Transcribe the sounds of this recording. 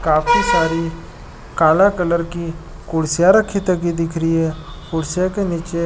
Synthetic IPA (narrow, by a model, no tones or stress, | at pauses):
kaːpʰisaːɾi | kaːlakələɾki | kʊɽsjaɾəkʰːit̪əkid̪ɪkʰɾiɦɛ | kʊɽsjakeniːt͡ʃe